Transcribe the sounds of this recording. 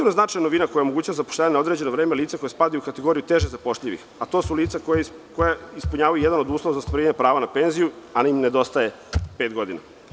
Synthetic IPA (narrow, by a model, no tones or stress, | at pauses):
iɾnoznat͡ʃajanoʋinako̞jaomo̞ɡuːt͡ɕaʋazapo̥ʃlʲaːaɲenao̞d̪ɾe̞d͡ʑe̞noʋɾeːmeliːt̪sako̞jaspad̪ajukat̪eɡo̞ːɾijut̪e̞ʒezapo̞ʃʎiʋḭxat̪o̞suliːt̪sakoja | kojaispuɲaːʋajujed̪anod̪uːslˠoʋazast̪ʋaɾiɲepɾaːʋanape̞ːnzijuanaimne̞d̪o̞st̪aje̞ | peːt̪ɡo̞d̪ina̰